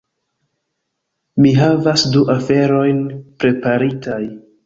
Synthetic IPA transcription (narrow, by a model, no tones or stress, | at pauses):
miɦavasduʔafe̞ɾo̞jnpɾe̞paɾitaj